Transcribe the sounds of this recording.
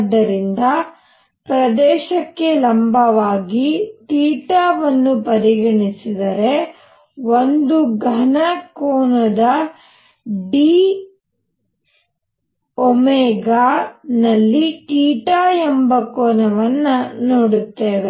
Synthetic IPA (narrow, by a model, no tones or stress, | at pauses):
d̪ːɐɾind̪ɐ | pɾɐd̪ɛːʃɐkːe̞lɐmbʱɐʋaːɡiʈiːʈaːʋɐnːupɐɾiɡɐɳisid̪ɐɾe̞ | ond̪uɡʱɐnɐkoːnɐd̪ɐ | ɖiː | omeːɡaːnɐlːiʈiːʈaːjɛmbɐkoːnɐʋɐnːɐnoːɽut̪ːeːʋe